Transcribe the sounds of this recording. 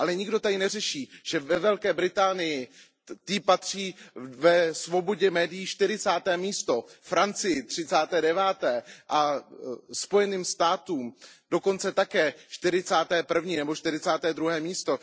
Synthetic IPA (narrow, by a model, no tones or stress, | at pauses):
ʔalɛɲɪɡdo̞t̪adɪnɛrɛʃiːʒ̥ɛvɛvɛlkɛːbɾɪt̪aːnɪjɪ | t̪ɪpat̪r̝̥iːvɛsvo̞bo̞ɟɛmɛːdɪjiʃt̪ɪɾɪt͡saːt̪ɛːmiːst̪o̞fɾant͡sɪjɪt̪r̝̥ɪt͡saːt̪ɛːdɛvaːt̪ɛːʔa | spo̞jɛniːmst̪aːt̪uːmd̥o̞ko̞nt͡sɛt̪akɛːʃt̪ɪɾɪt͡saːt̪ɛːpr̩vɲiːnɛbo̞ʃt̪ɪɾɪt͡saːt̪ɛːd̪ɾuɦɛːmiːst̪o̞